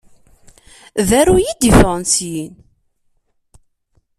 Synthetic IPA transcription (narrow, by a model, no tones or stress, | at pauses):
ðæɾujid̪ifʁʁnsjin